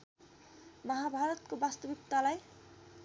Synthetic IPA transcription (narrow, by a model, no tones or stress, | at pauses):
mʌɦabʱaɾʌt̪̚kobast̪ʌbikt̪alaj